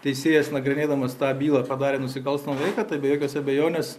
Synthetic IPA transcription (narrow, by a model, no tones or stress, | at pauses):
t̪ʲɛɪsʲeːjɛsnɐɡɾʲɪnʲeːd̪ɐmɐst̪ɑːbʲiːlˠɐːpɐd̪ɑːɾʲeːnʊsʲɪkɐlˠst̪ɐmɐʋʲɛɪkɐːt̪ɐɪbʲɛjoːkʲoːsɐbʲɛjoːnʲeːs